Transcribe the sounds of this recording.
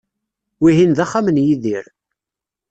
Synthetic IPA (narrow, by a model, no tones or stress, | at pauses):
wiɦinðaχːamənjiðiɾ